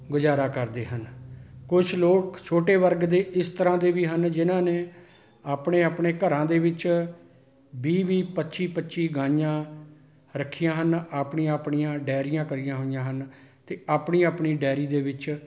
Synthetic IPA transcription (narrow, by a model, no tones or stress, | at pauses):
ɡʊd͡ʒaːɾaːkəɾd̪eːɦənkʊt͡ʃʰloːkt͡ʃʰoːʈeːʋəɾɡd̪eːʔɪst̪əɾãːd̪eːʋiːɦənd͡ʒɪnãːneː | aːpɳeːaːpɳeːkəɾãːd̪eːʋɪt͡ʃ | biːʋiːpətːʃiːpəːʃiːɡãːjãː | ɾəkʰːijãːɦənaːpɳiːãaːpɳijãːɖɛːɾɪjãːkəɾijãːɦʊːɪjãːɦən | t̪eːaːpɳĩːaːpɳiːɖɛːɾiːd̪eːʋɪt͡ʃ